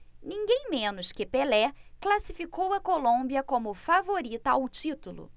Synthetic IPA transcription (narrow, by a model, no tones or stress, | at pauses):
nĩŋɡẽj̃mẽnʊskɪpelɛklasifikowɐkolõbiɐkõmʊfavoɾit̪ɐawt͡ʃit̪ulʊ̰